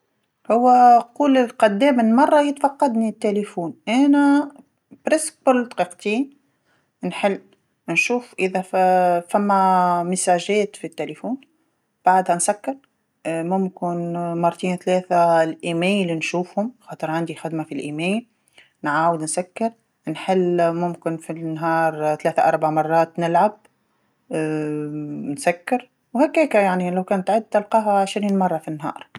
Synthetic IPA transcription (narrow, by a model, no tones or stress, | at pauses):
hʊwːæquːlɪlqɑd̪ːɛːmɪnmɑrˤːɑjɪt̪fɑqːɑd̪nit̪ːelifuːnʔæːnæ | bɾɪsk̚bʊlːt̪ˤqiqt̪iːn | nħɪlː | nʃuːfʔɪðæfæmːæmɪsaːʒɛːt̪fit̪ːelefuːn | b̥aʕd̪hænsakːɑɾˤ | mʊmkɪnmɑɾˤt̪iːnθleːθalʔiːmeːjlnʃuːfhʊmxɑːt̪ˤɨɾˤʕand̪ixɪd̪mafilʔiːmeːl | nʕaːwɪd̪nsakːɪɾ | nħɪlːmʊmkɪnfinɦɑːɾˤθaleːθaʔɑɾˤbaʕmɑrˤːɑːt̪nɪlʕab̚ | nsakːɪɾ | whakːeːkajaʕnilawkæːnt̪ʕɪd̪̚t̪ɪlqɑːɦaʕɪʃɾiːnmɑrˤːɑfinːɦɑ̰ːɾˤ